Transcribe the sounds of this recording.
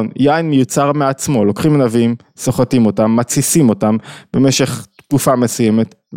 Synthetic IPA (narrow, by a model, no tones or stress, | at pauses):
njajnmijut͡saʁmeat͡smo̞lo̞kχimanavim | soχatimo̞tamːat͡sisimo̞tambe̞me̞ʃe̞χtkufame̞sujeme̞t